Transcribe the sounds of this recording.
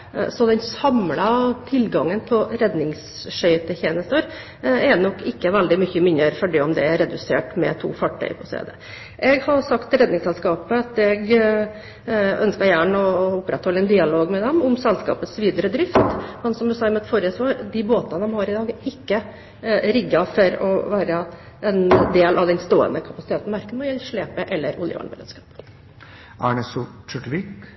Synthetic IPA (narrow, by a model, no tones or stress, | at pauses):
sɔd̪ɛnsɑmlɑt̪ʰɪlɡɑŋːənpʰɔɾɛd̪nɪŋs | ʂœʏt̪ʰɪçeːnəst̪oːɾ | ɛnɔkːɪkːəʋɛld̪ɪmʏçəmɪnəɾfɔɖiɔmd̪ɛæɾɛd̪ʉsḛːʈmɛ̰t̪ʰṵːfɑʈʰːœ̰ʏpʰɔst̪ḛːd̪ə | ʔɛɡhɑsɑkt̪ɾɛd̪nɪŋsɛlskɑːpəɑt̪ɛɡ | œnskəɾjæːɳɔʊpːɾɛt̪hɔlːəɛnd̪ɪɑloːɡmɛd̪ɛmʊmsɛlskɑ̰ːpət̪sʋiːd̪əɾəd̪ɾɪft̪mɛnsɔmd̪ʉsɑːmɛt̪fɔɾɪəsʋɑːɾd̪ɪboːt̪ɑnəd̪ɔmhɑɾɪd̪ɑːɡɪkːə | ɾɪɡːɑfɔɾɔ̰ʋæːɾə | ʔɛnd̪eːlʔɑʋd̪ɛnst̪oːə̰nəkʰɑpɑsɪt̪ʰeːt̪n̩mɑɾkənmɔjɛlʂɭeːpəʔɛlːəɾʊ̰ljə̰ʋɑ̰ːɳbəɾḛːd̪skɑːp | ʔɑ̰ɳəsʊt͡ʃœʈʋiːk